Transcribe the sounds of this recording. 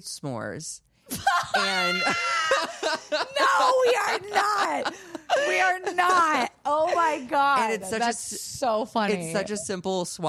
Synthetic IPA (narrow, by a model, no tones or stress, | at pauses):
smɔ̰ɹz̥ | ɨ̃n | noʊwiə˞nət̚wiə˞nət̚oʊmaɪɡɑɨ̃nɨtsʌðt͡ʃæɨssoʊfʌnɨitsʌt͡ʃɨsɪ̃mpl̩ˠsw